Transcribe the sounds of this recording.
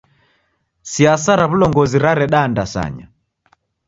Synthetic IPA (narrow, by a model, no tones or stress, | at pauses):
siasaɾaβulɔŋɡɔziɾaɾɛɗaːndasa̰ɲa̰